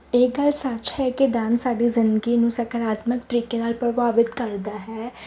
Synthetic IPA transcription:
eːɡəlsət͡ʃhɛːkeɖãːnsaːɖiːzɪnd̪əɡinũːsəkəɾaːt̪məkt̪əɾiːkenaːlpɾəʋaːʋɪt̪kəɾd̪aːɦɛː

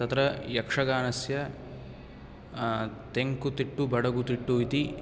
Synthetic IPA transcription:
t̪ɐt̪ɾɐjɐkʂɐɡaːnɐsjɐ | t̪eŋkut̪iʈːubɐɽɐɡut̪iʈːuit̪i

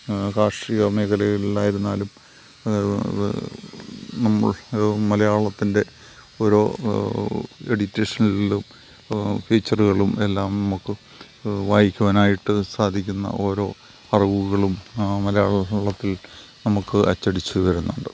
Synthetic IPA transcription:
kaːʂiːɣɐme̞ːkʰɐlɐjɐɭilːaːjiɾunːaːlum | nɐmːɐ̰ɭmɐlɐjaːɭɐt̪ːinde̞ | o̞ːɾo̞ː | eɽitːeːʂɐnilːum | fiːt͡ɕːɐruɣɐɭume̞lːaːmnɐmukːɨ | ʋaːjikʲːuʋɐnaːjiʈːɨsaːd̪ʱikʲːunːɐ̰ʔo̞ːɾo̞ː | ɐriʋuɣɐɭummɐlɐjaːɭɭɐt̪ːilnɐmukːɨʔɐt͡ɕːɐɽit͡ɕːuʋɐɾunːuɳɖɨ

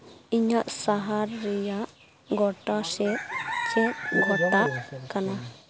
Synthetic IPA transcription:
iɲaʔsaɦaɾːɛjaʔ | ɡɔʈasɛt͡ʃɛtɡʱɔt̪aʔkana

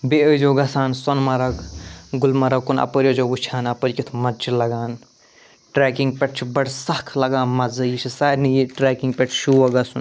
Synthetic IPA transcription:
beəd͡ʒoːɡɐsaːnsonmɐɾɐkɡulmɐɾɐkːunɐ̰pəɾʲijəd͡ʒoːʋut͡ʃʰaːnɐpəɾʲkit̪ʰmɐd͡ʒilɐɡaːn | ʈɾeːkiŋɡ̚pʲeʈ̚ʰt͡ʃʰibɐɽsɐhkʰlɐɡaːnmɐzɐjit͡ʃʰisaːɾnijiʈɾaːkiŋɡpʲeʈʰʃuʋɐɡɐsun

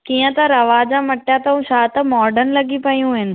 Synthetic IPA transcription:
kiːjə̃t̪ɐɾɐʋaːd͡ʑamɐʈːjat̪ɐũʃaːt̪ɐmɔːɾɖənlɐɡipɐjũɦɪnɪ̆

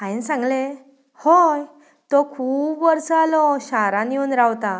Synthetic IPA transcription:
ainsãŋɡle | hoj | t̪ɔkʰuːbʋəɾsəalɔɕaɾãniunɾawt̪a

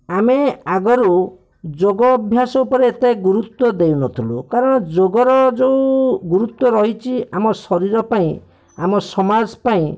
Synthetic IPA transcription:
ameaɡɔɾu | d͡ʒoɡɔːbʱjasɔupɔɾeːt̪eɡuɾut̪wɔd̪ejunɔt̪ʰilukaɾɔɽ̃ɔd͡ʒoɡɔɾɔd͡ʒeũɡuɾut̪wɔɾɔɦit͡ʃʰiamɔsɔɾiɾɔpaĩ | amɔsɔmad͡ʒpaĩ

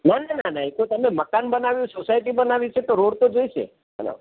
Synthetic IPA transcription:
nanananaɦik̪ot̪əmeməkanbənaʋjũsosaiʈibənaʋit͡ʃʰet̪oɾoɽt̪od͡ʒoiʃḛ | ɦə̰no̰

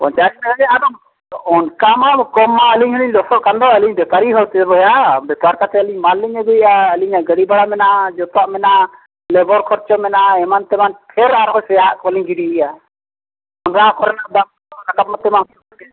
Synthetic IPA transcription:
pɔ̰ɲt͡ʃaknaɡaɡɛad̪ɔ | ɔnkamakɔmːaəliɲɦəliɲlɔsɔʔkand̪ɔəliɲbɛpaɾiɦɔɽt̪ɛbɔjabɛpaɾkat̪ɛəliɲmalːiɲəɡuʔaəliɲaɡəɽibaɽamɛnaad͡ʒɔt̪ɔaʔmɛna | lɛbɔɾkʰɔɾt͡ʃɔmɛnʔaɛmant̪ɛmanpʰɛɾaɾɦɔsɛjaʔkɔliɲɡiɖiiʔa | ɔnɾaakɔɾɛnad̪am | ɔɾakap̚mat̪ːɛmantɔɔkɛ

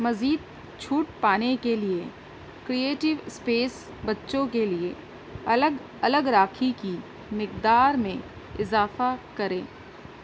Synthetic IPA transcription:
mɐziːd̪̚ | t͡ʃʰuːʈpaːnekelie | kɾieːʈɪʋspeːs | bɐtːʃõkelie | ɐləɡ | ɐləɡɾaːkʰiki | mɪkd̪aːɾmẽ | ɪzaːfakɐɾḛ̃ː

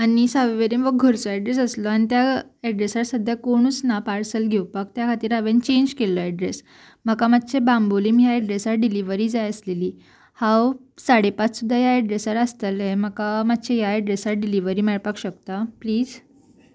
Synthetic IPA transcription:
añisaʋeʋeɾimʋəɡɡʱəɾt͡sɔɛɖɾesəslɔañit̪jaɛɖɾesaɾsəd̪ʱjakoɽ̃ut͡snapaɾsəlɡʱewpak̚t̪jakʰat̪iːɾaʋent͡ɕeɲd͡ʑkelːɔɛɖɾes | məkamat̪t͡ɕʰebamboliːmijaɛɖɾesaɾɖiliʋəɾiːd͡zajəsleliː | hawsaɽepat͡ssud̪ʱːajaɛɖɾesaɾəst̪əleməkamat̪ːt͡ɕʰejaɛɖɾesaɾɖiliʋəɾiːmeɭpakɕəkt̪apliːd͡z

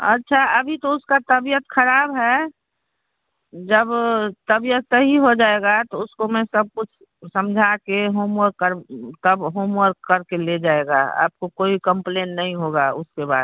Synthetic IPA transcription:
ɐ̰tːʃʰaəbʱit̪oʊskat̪əbijət̪kʰəɾaːbɦɛ | d͡ʒəbt̪əbijət̪səɦiɦod͡ʒaːeɡat̪oʊskomɛ̃səb̚kʊt͡ʃʰ | səmd͡ʒʱakeɦoːmwəɾkəɾt̪əbɦoːmwəɾkkəɾkeled͡ʒaeɡa̰a̰ːp̚kokoːikə̃mpleːnːɐɦĩɦoɡaʊskeba̰ːd̪̚

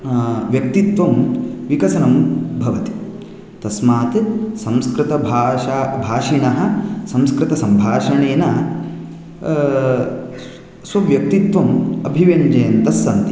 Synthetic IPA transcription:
ʋjɐk̚t̪it̪ʋɐmʋikɐsɐnɐmbʱɐʋɐt̪i̥ | t̪ɐsmaːt̪sɐmskɾɪt̪ɐbʱaabʱaːʂiɳɐɦɐ̆sɐmskɾɪt̪ɐsɐmbʱaːʂɐɳeːnɐ | sɐʋjɐk̚t̪it̪ʋɐmɐbʱiʋɐɲd͡ʒɐjɐnt̪ɐsːɐnt̪i̥

